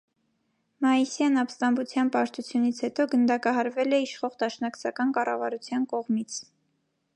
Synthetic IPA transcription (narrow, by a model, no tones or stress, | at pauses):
mɑisjɑnɑpst̪ɑmbut͡sʰjɑnpɑɾt̪ut͡sʰjunit͡sʰhɛt̪ɔɡənd̪ɑkɑɦɑɾvɛlɛiʃχɔʁd̪ɑʃnɑkt͡sʰɑkɑnkɑrɑvɑɾut͡sʰjɑnkɔʁmit͡sʰ